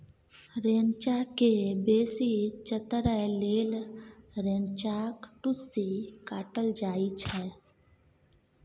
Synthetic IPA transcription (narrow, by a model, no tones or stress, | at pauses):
ɾeːnt͡ʃakebeːsit͡ʃət̪ɾəleːlɾẽːnt͡ʃaːkʈʊsikaːʈəld͡ʒaːit͡ʃʰɛː